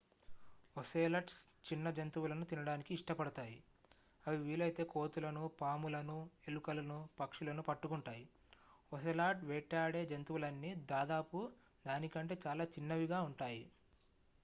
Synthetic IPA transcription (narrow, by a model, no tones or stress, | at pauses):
oseːlɐʈs | t͡ʃinːɐd͡ʒɐnt̪uʋulɐnut̪inɐɽaːnikiːʂʈɐpɐɽɐt̪aːji | ɐʋiʋiːlɐjt̪e̞ːko̞ːt̪ulɐnupaːmulɐnue̞lukɐlɐnupɐkʂulɐnupɐʈːukuɳʈaːji | os̬elaːʈʋɛːʈːaːɽeːd͡ʒɐnt̪uʋulɐnːid̪aːd̪aːpu | d̪aːnikɐɳʈe̞ːt͡ʃaːlaːt͡ʃinːɐʋiɡaːuɳʈaːji